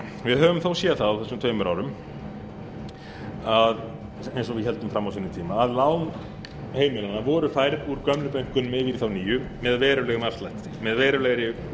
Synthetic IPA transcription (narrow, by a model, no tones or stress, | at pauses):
vɪðɦœːvʏmθowsjɛːθaawθɛsːʏmt̪ʰœɥjmʏɾa̰wɾʏm | að | ejnsɔvɪðɦɛlt̪ʏmfɾamːawsinːʏmt̪ʰiːmaːðlaːwn | heːjmɪlanavɔːɾʏfaːjɾðuɾkœmlʏpejŋ̥kʏnmɛðviɾiθawniːjʏmɛðvɛːɾʏlɛɣʏmafst̪lajht̪t̪ɪmɛðvɛːɾʏlɛɣɾɪ